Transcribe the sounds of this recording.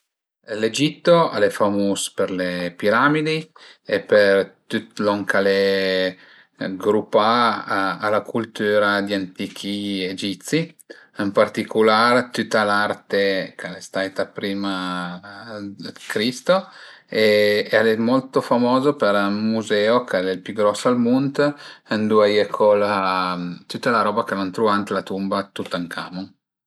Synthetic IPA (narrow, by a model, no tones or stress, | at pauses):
led͡ʒit̪ːoalefamuːspeɾlepiɾamid̪iepert̪ut̪loŋkale | ɡɾupːaː | lakult̪yːɾad̪iant̪iːkʰied͡ʒit̪si | əmpart̪ikulaɾt̪yt̪ːalart̪ekalest̪ajt̪apɾiːma | kɾist̪o | ealemɔlt̪ofamɔːzopeɾamːuzɛːokɛlɛlpjyɡɾɔsːoalmunt̪ənd̪uajekʰola | t̪yt̪ːalaɾɔːbakelant̪ɾuant̪lat̪umbat̪ut̪ːaŋkʰa̰mu